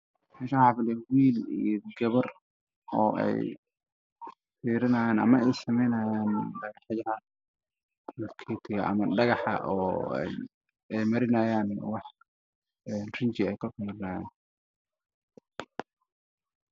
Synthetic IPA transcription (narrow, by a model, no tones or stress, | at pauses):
mɛːʃawħɑːfɪlɛwiːlḭjɔɡɐβɐr | ɔːʔɛ̰j | fiːɾɐnaːjaːnɐ̰mɐɛjsɐmɛjnɐjaːnɖɐɣɑħjɐhɐ | mɐfkʰɛt̪ʰɪɣɐʔɐ̰mɐɖɐɣɑħɑ̰ʔɔːɛ̰j | ɛjmɐɾɪnɐjaːnwɑħ | ɛnrɪɲt͡ʃɪɛjkʰɐfiːɾɪnɐːjaːn